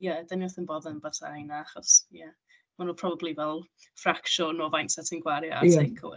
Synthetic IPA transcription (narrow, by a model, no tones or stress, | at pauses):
jadəniɔθənboːdənbata̰jnaaχɔsja | manuːpʰrɔbablivɛlˠ | frakʃɔnɔːvajntsɛtʰɪnɡwaɾjɔa̰tʰekʰə̰